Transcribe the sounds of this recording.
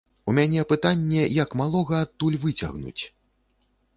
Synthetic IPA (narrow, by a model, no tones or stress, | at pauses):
umʲanʲɛpɨt̪anʲːɛjɐkmalˠɔɣɐːt̪ːulʲvɨt͡sʲa̰ɣnṵt͡sʲ